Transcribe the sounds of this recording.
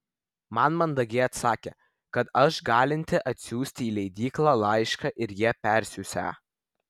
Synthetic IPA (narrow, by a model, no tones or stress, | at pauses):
mɐnmɐnd̪ɐɡʲeːɐt̪sɑːkʲḛ | kɐt̪ɐʃɡɑːlʲɪnʲt̪ʲɪʔɐt̪ʲsʲuːsʲt̪ʲiːlʲɛɪd̪ʲiːklˠɑlˠɐɪʃkɑʔɪɾjiɛpʲæɾʲsʲʊsʲæ̰ː